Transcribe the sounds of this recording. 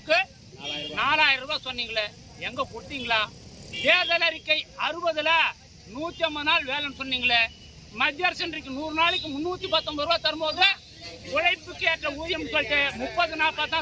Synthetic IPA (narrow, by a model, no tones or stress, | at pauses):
kːɯ | naːlaːjɪɾɐɾɯʋaːsɔnːiːŋɡɐɭɐ | ɛŋɡɐkɔɽɯt̪ːiːŋɡɐɭaːʋeːðɐlɐɾɪkːɐɪɐɾɯbɐðɯlɐ | nuːt̪ːɪɐmbɐðnaːlʋeːlɐnsɔnːiːŋɡɐɭɐ | mɐd̪jaːɾsɛndrɪkːɯnuːɾɯnaːɭɯkːɯmʊnːuːt̪ːipɐt̪ːɔmbɐɪɾɯʋaːt̪ɐɾɯmbɐːɐðlɐ | kʊɻɐɪpːɯkːeːʈrɐuːðɪjɐmsɔlʈːɐmʊpːɐðɯnaːpaːt̪ãː